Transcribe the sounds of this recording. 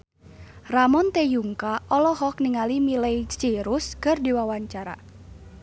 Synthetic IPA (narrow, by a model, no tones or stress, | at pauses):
ramɔnt̪ejuŋkaʔɔlɔɦɔk̚niŋalimilejt͡ʃiɾuskɨrdiwawaɲt͡ʃaɾa̰